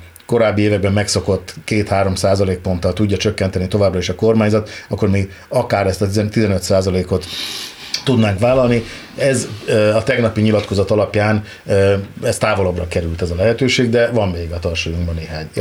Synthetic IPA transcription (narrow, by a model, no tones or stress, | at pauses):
ko̞ɾaːbːieːvɛɡ̚bɛmːɛkso̞ko̞t̪ːkeːt̪haːɾo̞msaːzɒleːk̚po̞nt̪ɒlt̪uɟːɒt͡ʃøkːɛnt̪ɛnit̪o̞vaːbrɒiʃɒko̞rmaːɲzɒt̪ɒkːo̞rmiːɡ | ɒkaːɾɛst̪ɒt̪izɛnøt̪saːzɒleːko̞t̪ː | ud̪naːŋkʋaːlɒlni | ɛzɒt̪ɛɡnɒpiɲilɒt̪ko̞zɒt̪ɒlɒpjaːnː | ɛst̪aːvo̞lobrɒkɛɾylt̪ɛzɒlɛɦɛt̪øːʃeːɡd̪ɛvɒmːeːɡɒt̪ɒrʃojuŋɡbɒneːɦaːɲ